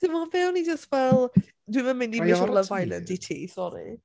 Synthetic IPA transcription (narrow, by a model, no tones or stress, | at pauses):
d̥ɪmɔvɛwnid͡ʒəstvɛlˠ | dwivɛmɪ̃ndimɪɔrləvajlənditʰḭːsɔɾḭ